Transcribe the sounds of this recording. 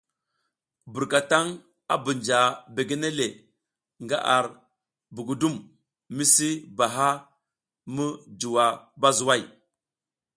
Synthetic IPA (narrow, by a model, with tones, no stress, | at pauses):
bu˨ɾka˨ta˦ŋ | a̰˦bu˨nd͡ʒa˨be˨ɡe˦ne˦le˨ | ŋɡa̰˦ʔa˨ɾ | bu˨ɡu˨du˦m | mi˦si˦ba˨ɦa˦ | mu˦d͡ʒu˨wa˨ba˦zu˨wa˦˨j